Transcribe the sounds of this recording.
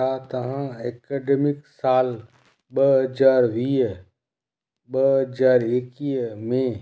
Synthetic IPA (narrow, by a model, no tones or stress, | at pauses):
at̪ɐɦãɛkeɖemɪksaːl | bəɦd͡ʒaːɾʋi | bəɦd͡ʒaːɾekimẽ